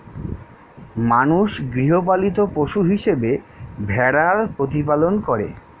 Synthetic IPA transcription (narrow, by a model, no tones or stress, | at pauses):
manuʃɡɾiɦop̬alit̪opoʃuɦiʃebebʱɛɽaɾpɾot̪̬ipalonkoɾḛ